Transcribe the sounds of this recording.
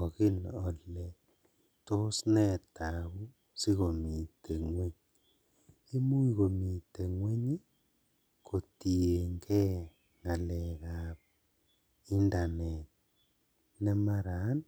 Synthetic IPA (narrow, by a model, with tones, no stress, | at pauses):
o˨ɣi˦nɔ˨lɛ˨ | to˦snɛ˦ta˨ɣu˦ | si˦ɣo˨mi˨te˨ŋwe˦ɲ | i˦mu˦i˨ɣo˨mi˨te˨ŋwe˦ɲe˦ | ko˨ti˨e˨ŋɡɛ˦ | ŋa˨lɛ˨ɣa˨p̚ | i˦nda˨nɛ˨t̚ | nɛ˦ma˦ɾa˨˦n